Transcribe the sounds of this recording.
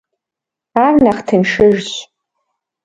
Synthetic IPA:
arnaχtʰɨnʂɨʒɕʷ

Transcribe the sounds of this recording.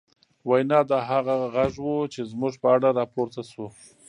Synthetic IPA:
wajnɑd̪ɑɦaɣaɣaʒwot͡ʃezmʊʒpəaɽaɾɑpoɾt̪aso

